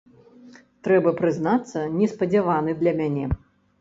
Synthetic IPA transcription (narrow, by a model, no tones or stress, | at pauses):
t̪ɾɛbɐpɾɨznat̪sːɐnʲɛspɐd͡zʲavanɨd̪lʲɐmʲanʲɛ